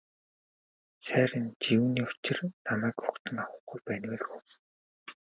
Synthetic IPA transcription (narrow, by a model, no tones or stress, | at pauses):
sæːɾʲɪ̆nt͡ɕiwuːniːʊt͡ɕɪ̆rnamæːkʊkt̪ɘ̆ŋawə̆ɡujpæːnweːxxʊs